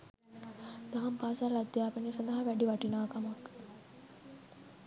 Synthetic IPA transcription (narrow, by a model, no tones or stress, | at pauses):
d̪̥aɦɐmpaːsalad̪jaːpənisand̪ɐɦaʋæɖiʋɐʈinaːkamak